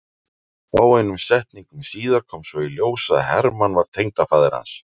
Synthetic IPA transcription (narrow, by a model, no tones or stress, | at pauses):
aːwejnʏmsɛht̪niŋkʏmsiːðaɾ̥kʰɔːmsvɔiljoːwsaðhɛɾmanvaɾ̥t̪ʰejŋt̪afaːðɪɾha̰ns